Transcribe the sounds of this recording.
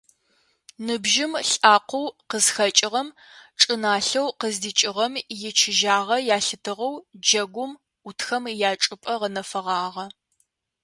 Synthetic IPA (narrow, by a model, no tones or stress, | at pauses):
nɨbʒɪmɬʼaːqʷowqəzxɐt͡ʃʼɪʁɐm | ʈ͡ʂʼɨnaːɬɐwqəzdit͡ʃʼɪʁɐmjɪt͡ʃʰɪʒaːʁɐjaːɬɨtʰɨʁɐwd͡ʒɐɡʷʊm | ʊtʰxɐmjaːt͡ʃʼɨpʼɐʁənɐfɐʁɑːʁɐ